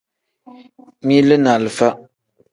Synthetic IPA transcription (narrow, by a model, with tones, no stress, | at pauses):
mi˦lɨ˦na˨lɨ˨fa˦